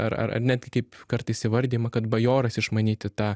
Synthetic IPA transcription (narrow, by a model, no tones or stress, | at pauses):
ɐ̰ɾɐ̰ɾɐ̰rnʲæd̪̚ʲɡʲɪkɐɪpkɐɾt̪ɐɪsʲɪʋɐɾʲd̪ʲiːmɐkɐt̪bɐjoːɾɐsɪʃmɐnʲiːt̪ʲɪt̪ɑː